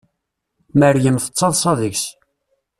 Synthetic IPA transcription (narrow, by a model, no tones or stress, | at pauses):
mæɾjəmθə̥t͡sˤːɑðˤsˤɑðəçs